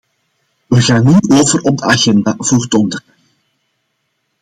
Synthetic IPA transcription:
ʋəɣaːnːioːvərɔb̚dəaɣɛndaːv̥oːrtɔndərə

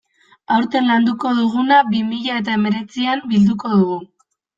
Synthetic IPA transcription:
awɾt̪e̞nland̪uko̞ðuɣ̞unabimiʎae̞t̪̬ae̞me̞ɾe̞t͡siambild̪uko̞ðuɣ̞u

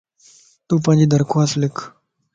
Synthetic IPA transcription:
t̪uːp̬ãnd͡ʑid̪əɾkʰoaslekʰ

